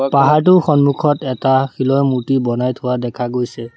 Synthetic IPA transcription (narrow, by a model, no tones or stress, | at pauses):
paɦaɹtʊxɔnmukʰɔtɛtaxilɔjmutibɔnajtʰʊwadɛkʰaɡojsɛ